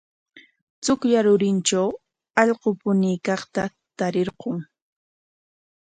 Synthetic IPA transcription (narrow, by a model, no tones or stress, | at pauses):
t͡sʊkʎaɾʊɾɪnt͡ʃaw | ɑʎqopʊniːkɑχt̪a | t̪aɾɪɾqoŋ